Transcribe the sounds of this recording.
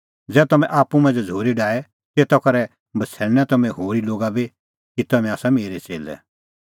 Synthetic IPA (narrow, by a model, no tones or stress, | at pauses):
d͡zɛːt̪ɐmɛ̃ʔaːpumɐ̃nd͡zd͡zʱoːɾiɖaːɛ | t̪eːt̪akɐɾɛ | bɐt͡sʰɛːɾñɛt̪ɐmɛ̃ɦoːɾiloːɡabi | kit̪ɐmɛ̃aːsameːɾɛt͡sḛːlɛ̰